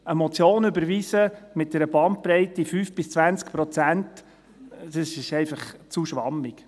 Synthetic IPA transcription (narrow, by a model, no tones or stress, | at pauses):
əmɔt͡sjoːnʏbəɾʋisəmɪt̚d̥ɛɾəbɑnt̚pɾɛɪtifyːfb̥ɪst͡sʋænt͡skpɾɔt͡sænt | d̥ɑsɪɪʃɛɪfɑχt͡suʃʋɑ̰mik